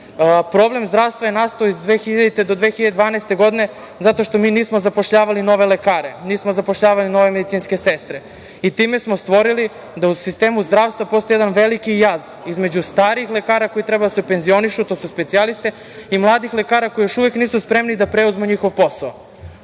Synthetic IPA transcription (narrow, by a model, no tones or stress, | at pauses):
pɾo̞ble̞mzd̪ɾaːʋst̪ʋajenast̪oːizd̪ʋexiʎat̪ed̪od̪ʋeːxiʎad̪ed̪vaːnɛst̪e̞ɡo̞d̪ine̞ | zat̪oʃt̪o̞miːniːsmozapo̞ʃʎaːʋalino̞ʋelekaːɾeniːsmozapoʃʎaːʋalino̞ʋe̞med̪it̪siːnske̞sest̪ɾe | it̪iːme̞smost̪ʋo̞ɾili | d̪ausist̪eːmuzd̪ɾaːʋst̪vapost̪ojd̪anʋelikijaz | izme̞d͡ʑust̪aːɾiixle̞kaːɾako̞jit̪ɾɛbad̪asepenzio̞niʃut̪osuspet̪ialˠist̪e | imlˠaːd̪ixlekaːɾako̞ijoʃuʋekniːsuspɾemnid̪apɾeuzmuɲixo̞ʋpo̞sao